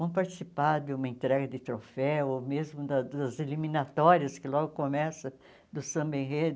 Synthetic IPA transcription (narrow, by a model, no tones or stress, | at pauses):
vɐ̃w̃paɾt͡ʃ̪i̥sipaɾd̪ɪũmɐẽnt̪ɾɛɡɐd̪ɪt̪ɾofɛomezmʊd̪ɐɐzelimĩnat̪ɔɾiɐskɪlɔɡʊkomɛsɐ | d̪ʊsɐ̃bẽɦed̪